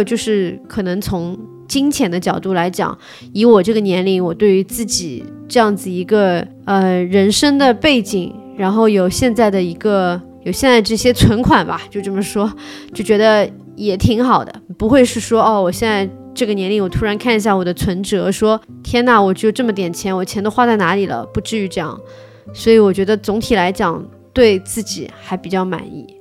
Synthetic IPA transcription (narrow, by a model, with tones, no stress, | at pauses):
t͡ɕjo˥˧ʊʂɻ̩˥˩kʰɤ˨˩nɤ˧˥ŋt͡sʰʊ˧˥ŋ | t͡ɕi˥ŋt͡ɕʰjɛ˧˥nd̪ə˧t͡ɕjɑ˨˩ʊt̪u˥˩la˧˥ɪt͡ɕjɑ̰˨˩˦ŋ | i˧˥wɔ˨˩ʈ͡ʂɤ˥˩ɡə˩njɛ˧˥nli˧˥˩wɔ˨˩t̪we˥˩y˧˥t͡sɹ̩˥˩t͡ɕi˨˩˦ | ʈ͡ʂɤ˥˧jɑ˥˩ŋd͡zɹ̩˩i˧˥ɡə˧ | ə˧ɻə˧˥nʂə˥ŋd̪ə˨pe˥˩ɪt͡ɕi˨˩ŋ | ɻa˧˥nxo˥˩ʊjo˨˩ʊɕjɛ˥˧nt͡sa˥˩ɪd̪ə˩i˧˥ɡə˧ | jo˨˩ɕjɛ˥˧nt͡sa˥˩ɪə˧ʈ͡ʂɤ˥˩ɕjɛ˥t͡sʰwə˧˥nkʰwa˨˩nbɐ̰˦t͡ɕjo˥˧ʊʈ͡ʂɤ˥˩mə˩ʂwɔ˥t͡ɕjo˥˩ʊt͡ɕɥɛ˧˥d̪ə˧ | jɛ˨˩t̪ʰi˧˥ŋxɑ˨˩ʊd̪ə̰˦pu˧˥xwe˥˧ɪʂɻ̩˥˩ʂwɔ˥ɔ˥˩wɔ˨˩ɕjɛ˥˧nt͡sa˥˧ɪ | ʈ͡ʂɤ˥˩ɡə˩njɛ˧˥nli˥˩wɔ˨˩t̪ʰu˥ɻa˧˥nkʰa˥˩ni˧ɕja˥˩wɔ˨˩d̪ə˦t͡sʰwə˧˥nʈ͡ʂɤ˧˥˧ʂwɔ˥t̪ʰjɛ˥na˥˩wɔ˨˩ʈ͡ʂ̩˥jo˥˧˩ʈ͡ʂɤ˥˩mə˩t̪̬jɛ˨˩nt͡ɕʰjɛ˧˥nwɔ˨˩t͡ɕʰjɛ˧˥nt̪o˥ʊxwa˥˧t͡sa˥˩ɪna˧˥li˨˩lə̰˦pu˧˥ʈ͡ʂɻ̩˥˧y˧˥ʈ͡ʂɤ˥˧jɑ̰˥˩ŋ | swɔ˧˥i˧˥wɔ˨˩t͡ɕɥɛ˧˥d̪ə˧t͡sʊ˧˥ŋt̪ʰi˨˩la˧˥ɪt͡ɕjɑ˨˩ŋ | t̪we˥˧ɪt͡sɹ̩˥˩t͡ɕḭ˨˩xa˧˥ɪpi˨˩t͡ɕjɑ˥˩ʊma̰˨˩˦nḭ˥˩